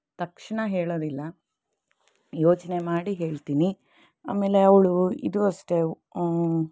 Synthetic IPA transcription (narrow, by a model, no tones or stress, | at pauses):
t̪ɐkʂɐɳɐɦe̞ːɭoːd̪ilːɐ | joːt͡ʃɐne̞maːɽiɦe̞ːɭt̪iːni | a̰ːme̞ːle̞ɐʋɭuḭd̪uɐʂʈe̞